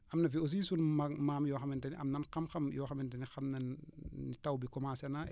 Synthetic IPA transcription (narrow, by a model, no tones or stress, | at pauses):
ʔɐmnɐfios̬iːsunmamaːmjɔxɐmɛntɐniɐ̰mnɐnkɐmxɐmjɔːxɐmɛntɐnixɐmnɐnːitawbikɔmasɛna